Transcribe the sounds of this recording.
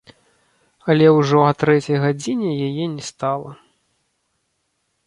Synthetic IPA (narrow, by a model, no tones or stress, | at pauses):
ɐlʲɛwʐɔɐt̪ɾɛt͡sʲɐjɣad͡zʲinʲɛjajɛnʲɛst̪alˠɐ